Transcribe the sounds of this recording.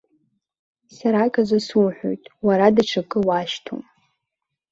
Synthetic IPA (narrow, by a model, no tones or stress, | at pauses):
saɾakʼazʷasuħʷᶣo̰jtʼwaɾadaʈ͡ʂʰakʼɨwaʃtʰo̰m